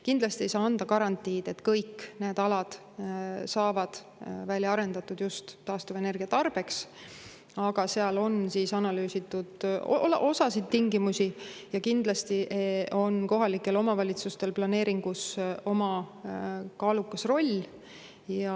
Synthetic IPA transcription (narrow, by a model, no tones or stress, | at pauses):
kind̪lɑst̪ie̞jsɑːɑnd̪̥ɑkɑɾɑnt̪ːˑiːd̪̥e̞t̪kɤjkːne̞ːd̪ɑlɑd̪̥ | sɑːvɑd̪̥ | vælʲjɑɑɾe̞nd̪ɑt̪ːˑud̪̥just̪ːɑːst̪uve̞ne̞rɡ̥iɑt̪ɑrb̥e̞ks | ɑɡ̥ɑseɑlo̞nsiːsɑnɑlyːsit̪ːˑud̪̥o̰ʔo̞sɑsid̪ːiŋɡimusijɑkind̪̥lɑst̪iʔo̞nko̞ɦɑlikːˑe̞lo̞mɑvɑlʲit̪sust̪e̞lplɑne̞ːɾiŋɡ̥uso̞mɑ | kɑːlukːɑsro̞lʲː | jɑ